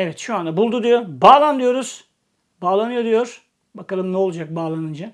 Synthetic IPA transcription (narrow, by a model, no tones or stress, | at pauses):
evɛt̪ʃuand̪abulˠd̪ud̪ijobaːlˠand̪ɯjo̞ɾuz̥ | baːlˠanɯjo̞d̪ijo̞ɾ̥ | bakalˠɯmnɛolˠud͡ʒak̚baːlˠanɯnd͡ʒa